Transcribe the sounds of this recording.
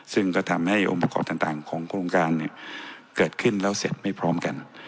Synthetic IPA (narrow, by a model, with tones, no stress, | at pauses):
sɯ˥˩ŋkɔː˥˩t̪ʰa˧mha˥˩jʔo̰˧ŋba˧kʰɔ̰ː˨˩p̚t̪a˨˩ŋt̪aː˨˩ŋkʰɔː˩˦ŋkʰɾo˧ŋkaː˧nːi˧˥˩kɤː˨˩t̪̚kʰɯ˥˩nlɛː˦˥wse˨˩t̪̚ma˥˩jpʰɾɔː˦˥mka˧n